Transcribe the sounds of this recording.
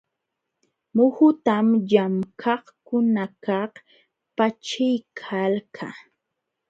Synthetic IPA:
mʊhʊt̪amʎamkʰɑhkʊnakɑh | pat͡ʃɪjkʰalkʰa̰

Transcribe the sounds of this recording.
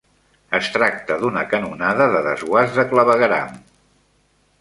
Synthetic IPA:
əst̪ɾak̚t̪əðunəkənunaðəðəðəzɣwazðəkləβəɣəɾa̰m

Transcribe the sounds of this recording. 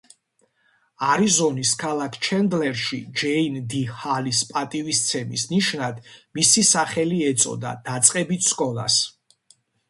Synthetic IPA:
aɾizɔniskʰalˠakʰt͡ʃʰɛnd̪lɛɾʃid͡ʒɛind̪ihalispʼat̪ʼivist̪sʰɛmḭsniʃnad̪misisaχɛliɛt̪sʼɔ̰d̪a̰d̪̥at̪sʼqʼɛbit̪ʰskʼɔlˠa̰s

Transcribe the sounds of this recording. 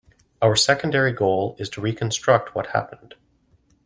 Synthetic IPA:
aʊə˞sɛkn̩dɛɹiɡoʊlˠɪz̥tʰəɹikʰə̃n̩stɹ̥ʌk̚t̚wʌt̚hæ̰pə̃nd̥

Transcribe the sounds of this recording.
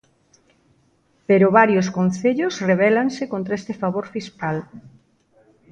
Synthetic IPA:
peɾʊβaɾjoskon̟θeʎʊsreβɛlaŋsekont̪ɾaest̪efaβ̞oɾfiskal

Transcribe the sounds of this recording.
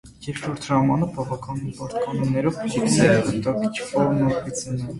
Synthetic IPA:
jɛɾʃɔɾt̪ʰʒɑmɑnəbɑvɑkɑninpɑɾt̪kɑnumnɛɾɔvkit̪ʰsɛvəɾt̪ɑkit͡ʃʰfɔɾmɔpit͡sinɛ

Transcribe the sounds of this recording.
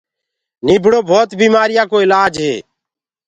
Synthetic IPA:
niːbʱɽoːbʱoːt̪biːmaːɾɪjaːkoːɪlaːd͡ʒɦḛː

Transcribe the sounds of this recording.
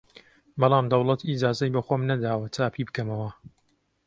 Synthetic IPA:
bɑlˠɑːmd̪ɐwlˠɐt̪id͡ʒaːzɐjbɐxoːmnɐd̪aːwɐt͡ʃaːpʰibɨkɐmɐwɐ

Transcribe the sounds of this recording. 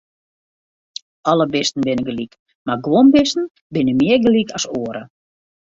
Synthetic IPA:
ɔləbɪstn̩bɪnəɡəlik | marɡwombɪstən̩ | bɪnəmɪərɡəlikɔsoːəɾə

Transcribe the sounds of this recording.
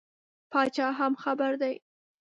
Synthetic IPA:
pɑt͡ʃɑɦamxabaɾd̪aj

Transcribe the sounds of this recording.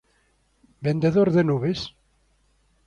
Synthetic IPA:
bend̪eðoɾðenuβes

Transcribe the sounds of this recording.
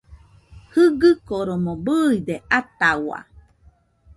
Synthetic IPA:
hɯɡɨkoɾomobɯid̪eʔat̪awa̰

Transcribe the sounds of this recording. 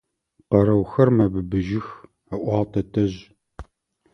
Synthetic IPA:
qɐɾɐwxɐrmɐbɨbɨʒɪx | ɐʔʷɑːʁtʰɐtʰɐʑ

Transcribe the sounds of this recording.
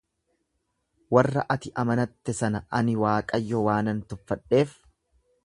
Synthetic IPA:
wɐrːɐʔɐt̪ɪʔɐmɐnɐt̪ːɛsɐnɐʔɐnɪwaːkʼɐjːɔwaːnɐnt̪ʊfːɐᶑːe̞ːf

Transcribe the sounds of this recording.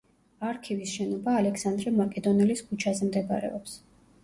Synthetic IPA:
aɾkʰivisʃɛnɔbaːlɛksand̪ɾɛmakʼɛd̪ɔnɛliskʰut͡ʃʰazɛmd̪ɛba̰ɾɛ̰ɔps

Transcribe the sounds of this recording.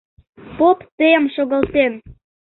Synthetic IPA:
popt̪əjəmʃoɣəlt̪en

